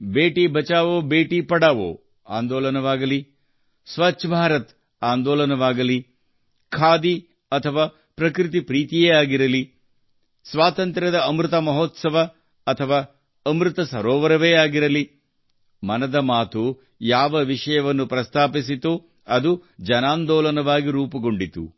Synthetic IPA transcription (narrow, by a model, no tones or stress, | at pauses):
beːʈibʱɐt͡ʃaːʋoːbeːʈipɐɽaːʋo̰ː | a̰ːnd̪ɔːlɐnɐʋaːɡɐli | sʋɐt͡ʃːʃɐbʱaːɾɐt̪ | aːnd̪ɔːlɐnɐʋaːɡɐli | kʰaːd̪i | ɐt̪ʰɐʋaː | pɾɐkɾit̪̬ipɾiːt̪ijeːaːɡiɾɐli | sʋaːt̪ɐnt̪ɾɐd̪ɐːmɾɪt̪ɐmɐɦɔːt̪sɐʋɐː | t̪ʰɐʋaː | ɐmɾɨt̪ɐsɐɾɔːʋɐɾɐʋeːaːɡiɾɐli | mɐnɐd̪ɐmaːt̪u | jaːʋɐʋiʂɐjɐʋɐnːupɾɐst̪ʰaːpis̬it̪u | ɐd̪ud͡ʒɐnaːnd̪ɔːlɐnɐʋaːɡiɾuːpɐɡo̞ɳɖit̪ṵ